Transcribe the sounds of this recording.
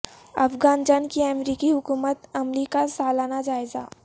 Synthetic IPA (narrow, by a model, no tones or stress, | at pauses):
ɐ̰fɡaːnd͡ʒaːnkiɐmɾiːkiɦʊkuːmət̪ɐmɾiːkasaːlaːnad͡ʒaːɪza̰ː